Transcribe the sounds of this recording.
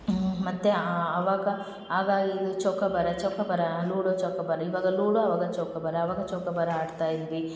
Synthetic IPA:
mɐt̪ːeɐʋaːɡɐ | aːɡaːɡiːd̪ut͡ʃɔkːɐbɐɾɐt͡ʃɔkːɐbɐɾɐluːɽot͡ʃɔːkːɐbɐɾɐiʋaːɡɐluːɽoɐʋaːɡɐt͡ʃɔːkɐbɐɾɐːʋaːɡɐt͡ʃoːkːɐbɐɾɐaːɽt̪aːjid̪ʋi

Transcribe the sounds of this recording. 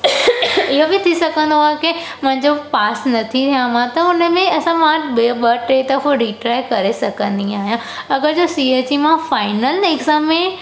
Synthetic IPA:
ɪɦobɪt̪ʰisɐkʰə̃nd̪oaːɦeke | mʊ̃ɦɪ̃ɲd͡ʑopaːsnɐt̪ʰit̪ʰijãmãt̪ɐʊnəmẽɐsãmãbeɓɐʈɾeːt̪ɐfoɾiːʈɾaːɪkɐɾesɐkʰə̃nd̪ĩaːɦijã | ɐɡəɾd͡ʑoːsieːt͡ɕimãfaːɪnəlɪɡzaːmːẽ

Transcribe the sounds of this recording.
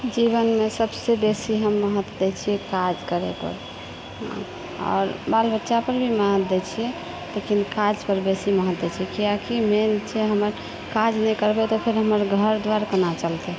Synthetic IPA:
d͡ʒiβənmesəbsebesiɦəmːəɦət̪d̪ɛt͡ʃʰiɛkad͡ʒkəɾḛpə̰ɾ | ɦã̰ | ɔ̰ːɾbalbətːʃapəɾbʱiməɦət̪d̪ɛt͡ʃʰiɛ | lekinkad͡ʒpəɾbesiməɦət̪d̪ɛt͡ʃʰɛkijakiment͡ʃʰɛɦəməɾ | kad͡ʒnɛjkəɾbet̪ɔpʰeɾɦəməɾɡʱəɾd̪ʋaɾkənat͡ʃəlt̪e

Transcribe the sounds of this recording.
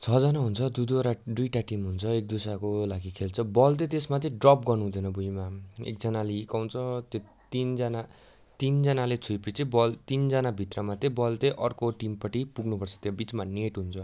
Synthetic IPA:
t͡sʰʌd͡zʌnaɦunt͡sʰʌd̪ud̪uɾaɖujʈaʈimɦunt͡sʰʌek̚d̪usakolaɡikʰelt͡sʰʌbʌlt̪ʌt̪esmat̪eɖrʌp̚ɡʌrnuɦũd̪ʌnʌbujmaḛk̚d͡zʌnaleikawt͡sʰʌt̪j | t̪ind͡zana | t̪ind͡zʌnalet͡sʰujpit͡sibʌlt̪ind͡zʌnabʱit̪rʌmat̪ebʌlt̪eʔʌrkoʈimpʌʈipuɡnupʌrt͡sʰʌ̥t̪jobit͡smaneʈɦunt͡sʰʌ

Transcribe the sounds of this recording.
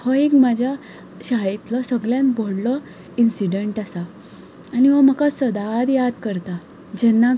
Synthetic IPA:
hɔekmad͡ʑʱja | ɕaɭet̪lɔsəɡljãnbʱɔɽlɔ | insiɖeɳʈasa | aniʋɔmakasəd̪ad̪jad̪kəɾt̪a | d͡ʑɛnːa

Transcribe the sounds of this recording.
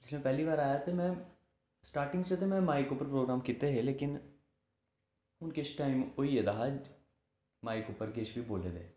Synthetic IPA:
d͡ʒɪsmẽpɛɦlibaːɾaːjat̪omɛ̃ | sʈaːɾʈɪ̃ŋɡst͡ʃet̪emɛ̃maːɪkuːpəɾpɾoːɡɾaːmkiːt̪eɦɛleːkɪn | ʊnkesʈaːɪmoijed̪aːɦad͡ʒ | maːɪkuːpəɾkeːt͡ʃbiboːlḛd̪ḛ̃ː

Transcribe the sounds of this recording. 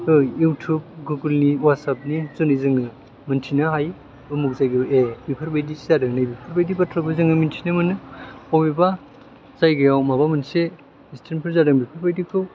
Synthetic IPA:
tojjuwtʰub̚ɡuɡɯlniwat̚sap̚nizunɯjzɯŋɯ | mɯntʰinaɦaj | ɯmuk̚zajɡɯʔebipʰɐɾbajdiizadɯŋnajbipʰɐɾbajdipatʰɾabɯzɯŋnɯmintʰinɯmɯnɯobiba | z̥ajɡajawmabamɯnse | istʰeɾnpʰɯɾzadɯŋbipʰaɾbajdikʰɯw

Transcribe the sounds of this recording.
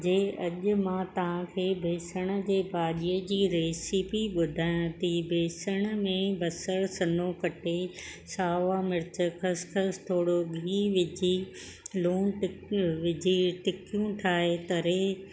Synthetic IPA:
d͡ʑeːɐʄʊ̆mãt̪ɐʋ̤ãkʰeːbʱeːsəɽ̃ə̆d͡ʑeːbʱaːɗiəd͡ʑiːɾeːsipiɓʊd̪ʱaːj̃t̪ʰibʱeːsəɽ̃əmẽbɐsəɾsɐnõkɐʈesaːʋamɪɾɪt͡ɕəkʰɐskʰəst̪ʰoːɽoɡʱiːʋɪd͡ʑi | luːnʈɪʋɪd͡ʑʱiʈɪkijũʈʰaːɦet̪ɐɾe

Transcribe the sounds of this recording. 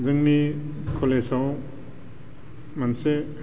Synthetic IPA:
zɯŋni | kʰolesaw | manse

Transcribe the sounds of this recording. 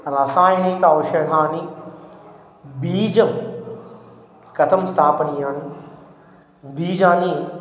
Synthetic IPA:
ɾɐsaːjnikaːʋɐʃɐd̪aːni | biːd͡ʑɐm | kɐt̪ʰɐmst̪ʰaːpɐniaːni | biːd͡ʑaːni

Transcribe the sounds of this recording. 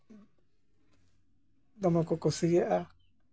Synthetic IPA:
d̪amãkokosijeʔa

